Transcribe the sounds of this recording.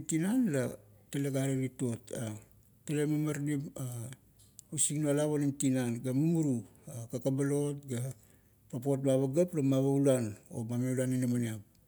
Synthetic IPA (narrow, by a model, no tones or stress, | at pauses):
tinanlataleɡaɾeɾito̞ta | talemamaɾnima | osiknolaβonimtinanɡamumuɾu | akakabalo̞t̚ɡa | papo̞t̚baβaɡaplamaβaulano̞̰mameulaninamaniap̚